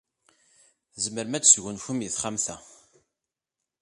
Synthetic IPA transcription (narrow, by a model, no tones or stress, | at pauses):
zəməɾmæt͡sːsʝʊnçəmjəθχamθæ̰